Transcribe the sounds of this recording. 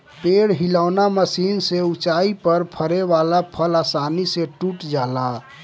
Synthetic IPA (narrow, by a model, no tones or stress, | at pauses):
peɽɦilaʊnaməsiːnseut͡ʃaipəɾpʰəɾeʋalapʰəlasaniseʈuʈd͡ʒala